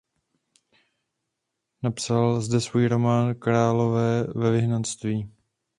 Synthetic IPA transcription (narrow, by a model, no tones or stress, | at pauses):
napsalzdɛsvuːjɾo̞maːnkɾaːlo̞vɛːvɛvɪɦnanst̪viː